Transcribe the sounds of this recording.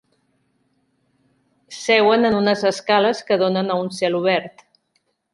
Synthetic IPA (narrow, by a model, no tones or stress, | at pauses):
sɛwənənunəzəskaləskəðonənəunsɛluβ̞ɛɾt̪